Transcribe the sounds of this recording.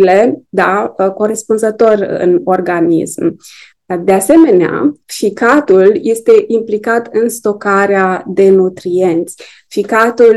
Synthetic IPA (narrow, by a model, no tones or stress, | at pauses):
le̞d̪ako̞ɾe̞spunzət̪o̞rɨ̰no̞rɡanḭsm | d̪ease̞me̞nea̰fikat̪ulje̞st̪e̞ʔimplikat̪ɨnst̪o̞kaɾead̪e̞nut̪ɾie̞nt̪sʲ | fikat̪ul